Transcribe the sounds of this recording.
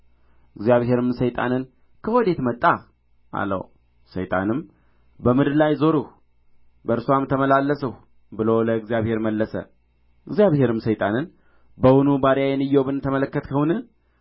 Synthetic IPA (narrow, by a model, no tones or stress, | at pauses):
ɨɡzijaβhe̞ɾɨmsəjt̪ʼa̰nɨn | kʰəwɔd̪e̞t̪mət̪ʼːa | ʔa̰lːə̰w | sə̰jt̪ʼa̰nɨm | bəmɨd̪lajzo̞ɾuh | bəɾsuamt̪ʰəməlalːəsəh | bɨlowləɨɡzjaβhe̞ɾməlːəsə̰ | ɨɡzijaβhe̞ɾɨmsəjt̪ʼanɨn | bəwunubaɾjajɛnɨjːowbɨnt̪ʰəmələkːət̪kʰəhwunɨ